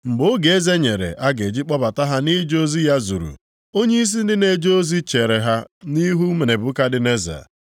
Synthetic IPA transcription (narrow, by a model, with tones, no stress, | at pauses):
ŋ͡m̩˨ɡ͡bʊ˦ɡe˨e˦ze˦ɲe˨ɾḛ˨ʔa˦ɡe˨d͡ʒi˦k͡pɔ˦ba˨ta˦ɦa˦ni˦d͡ʒo˦zi˦ja˦zṵ˨ɾṵ˨ | o˦ɲe˦i˦s̬i˦n̩˦dɪ˦ne˨d͡ʒo˦zi˦t͡ʃe˨ɾe˨ɦa˦ni˦ɦu˦me˨ne˨bʊ˦ka˦dɪ˦ne˦za̰˨